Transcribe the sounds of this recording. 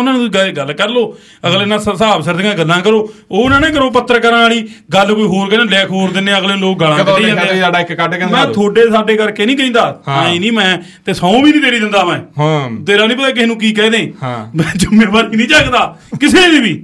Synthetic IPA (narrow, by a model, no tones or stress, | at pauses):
ʊnãːnũːɡəɡəlkəɾloː | əɡleːnãːssaːbsəɾd̪ɡãːɡəlːãːkəɾoːoːʊnãːneːk̬əɾoːp̬ət̪ːəɾkəɾaːliːɡəlkoːiːɦoːɾkɛːnẽːlɛːkʰɦoːɾd̪ɪnẽːəɡleːloːk̚ɡəlãkəeːɛ̃aːɖaːɪkkəʈːɛmɛ̃ːt̪ʰoːɖeːsaːɖeːkəɾkeːnĩːk̬əĩːnd̪aːãeːnĩːmɛ̃ː | t̪eːsãːũːbiːnĩːt̪eːɾiːd̪ɪ̃nd̪aːmɛ̃ːɦt̪eːɾãːnĩːp̬ət̪aːk̬ɪnũːk̬iːkɛːd̪ẽːhmɛ̃ːd͡ʒʊmẽːbaːɾiːnĩːt͡ʃaːkd̪aːkɪseːʋiːbiː